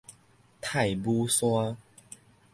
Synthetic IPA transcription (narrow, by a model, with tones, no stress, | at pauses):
t̪ʰa˥˨jbu˦swa˦